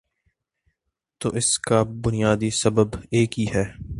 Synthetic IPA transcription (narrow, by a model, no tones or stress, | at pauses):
t̪oːʔɪskabʊnijaːd̪isɐbəbeːkɦiɦɛː